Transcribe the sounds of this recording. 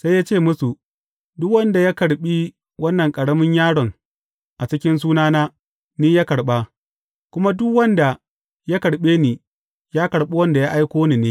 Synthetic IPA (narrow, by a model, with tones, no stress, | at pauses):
sa˦jaː˦t͡ʃeː˦˨mʊ˦su˨ | dʊ˦kwɐ˦nda˨ja˦kɐ˨ɽɓi˦ | wɐ˦nːɐ˨ŋkʼɐ˨ɽɐ˦mɪ˦ɲjaː˦ɽɔ˨ŋ | ʔa˨t͡ʃɪ˦kʲɪ˦ns̬uː˦naː˦naː˦ | niː˦jaː˦kɐ˨ɽɓa˦ | kʷʊ˦ma˦dʊ˦kwɐ˦nda˨ | ja˦kɐ˨ɽɓeː˦niː˨ | jaː˦kɐ˨ɽɓe˦wɐ˦nda˨ja˦ʔa˦jkʷoː˦niː˨neː˦